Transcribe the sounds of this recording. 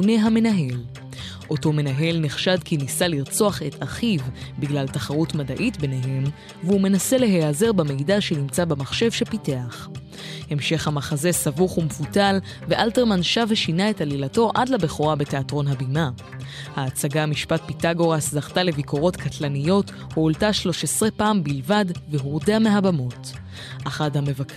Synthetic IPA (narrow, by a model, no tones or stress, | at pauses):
une̞ɦamenaɦe̞l | ʔo̞to̞me̞naɦe̞lneχʃadkinisaliʁt͡so̞aχe̞tʰaχivbiɡlaltaχaʁutmadaʔitbe̞neɦe̞m | veume̞nase̞le̞ɦeaze̞ʁbemejdaʃe̞nimt͡sabemaχʃe̞vʃepiteaχ | he̞mʃe̞χhamaχaze̞savuχumefutal | veʔalteʁmanʃaveʃinae̞talilato̞ʔadlabe̞χoʁabe̞teatʁo̞nɦabima | haːt͡saɡamiʃpat̚pitaɡo̞ʁaszaχtale̞viko̞ʁo̞tkʰatlanijo̞t | huoltaʃlo̞ʃesʁepaːmbilvadveɦuʁdeame̞ɦabamo̞t | ʔaχadhame̞vak